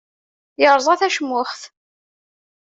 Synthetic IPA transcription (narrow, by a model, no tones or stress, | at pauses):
jəɾˤzˤæθæʃəmːʊχθ